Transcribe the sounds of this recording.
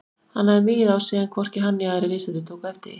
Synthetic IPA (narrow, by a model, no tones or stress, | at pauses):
hanːaðvɪðawsiːɣankʰvɔr̥cɪɦanːɪaðɛɾɪleːsaɪt̪ʰoːwkɛft̪ɪ̰